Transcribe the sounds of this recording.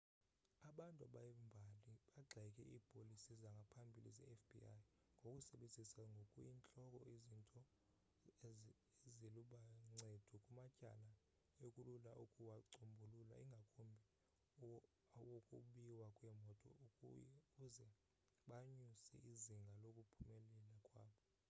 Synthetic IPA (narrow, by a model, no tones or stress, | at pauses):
aɓantʼuaɓajɛmbʱaliɓaɡ͡ǁʱɛkʼɛ̰ʔiːpʼolisizaŋɡʱapʰambʱilḭzɛ̰ɛfbḭaj | ŋɡʱokʼusɛɓenzʱisaŋɡʱokʼujint͡ɬʼɔkʼɔ̰izintʼɔ | eziluɓaŋ͡ǀed̥ʱukʼumacʼa̰la | okʼululaʔukʼuwaǀombʱulula̰iŋɡʱakʼumbʱi | wokʼuɓiwakʼwɛmɔtʼɔ̰ | uzɛ | ɓaɲusḭʔiziŋɡʱalokʼupʰumɛlɛlakʼwaːɓɔ